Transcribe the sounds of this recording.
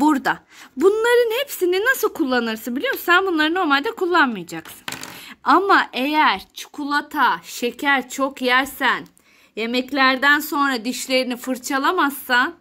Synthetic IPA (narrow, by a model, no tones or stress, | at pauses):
buɾd̪a | bunlˠaɾɯnhepsininasɯlˠkʰulˠːanɯɾsɯnbilʲijomusænbunlˠaɾɯno̞ɾmalʲd̪ɛkʰulˠːanmɯjad͡ʒaksɯ̥namaʔe̞jæɾ̥t͡ʃʰu̥kʰulˠat̪ʰaʃe̞cʰæɾt͡ʃʰo̞kjæɾsæn | je̞mɛclʲæɾd̪ænso̞nɾad̪iʃlʲe̞ɾinifɯɾt͡ʃʰalˠamasːan